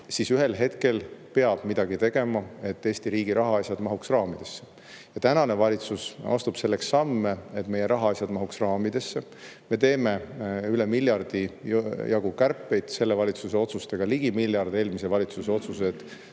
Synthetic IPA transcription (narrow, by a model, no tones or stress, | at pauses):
sisyɦe̞lɦe̞t̪ke̞lpe̞ɑb̥mid̪̥ɑɡ̥it̪e̞ɡ̥e̞mɑe̞t̪ːe̞ːst̪iɾiːɡ̥iɾʔɑɦɑɑjsʲjɑd̪mɑɦuksrɑːmid̪̥e̞sːe̥ | jɑt̪ænɑne̞vɑlʲit̪susɑ̰st̪ub̥se̞lːeksːɑmːeet̪ːme̞jeɾʔɑɦɑɑsʲjɑd̪mɑɦuksrɑːmid̪̥e̞sːe | me̞t̪e̞ːme̞ylemiljɑrd̪̥ijɑɡ̥ukærpːˑe̞jd̪̥se̞lːevɑlʲit̪suse̞o̞t̪sust̪e̞ɡ̥ɑliɡ̥imiljɑrd̪eeːlmise̞vɑlʲit̪suseo̞t̪sus̬e̞t̪